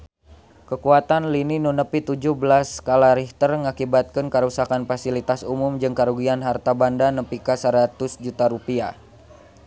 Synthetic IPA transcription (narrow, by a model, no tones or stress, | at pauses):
kəkuat̪anlininunəpit̪ud͡ʒuhbəlaskalaɾiht̪ərŋakibat̪̚kənkəɾusakanfasilit̪asumʊmd͡ʒɨŋkaɾuɡianɦart̪abandanəpikasəɾat̪ʊsd͡ʒut̪aɾupia